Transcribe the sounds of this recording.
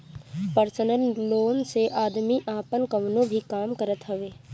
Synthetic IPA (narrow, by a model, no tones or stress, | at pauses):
pəɾsənəlːoːnseʔaːd̪miʔaːpənkɐʋnõbʱikaːmkəɾət̪ɦɐʋeː